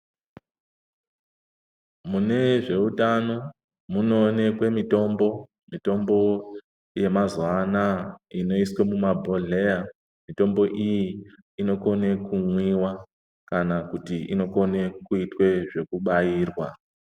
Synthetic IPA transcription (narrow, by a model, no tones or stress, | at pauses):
mune̞ʐe̞utano̞ | muno̞ne̞kwe̞mito̞mbo̞ | mito̞mbo̞ | je̞mazwanaino̞iswemumabʱoɮe̞ja | mito̞mbo̞ʔijiː | no̞ko̞ne̞kumwiwa | kanakutiino̞ko̞nekuitwe̞ʐe̞kuɓajiːrwa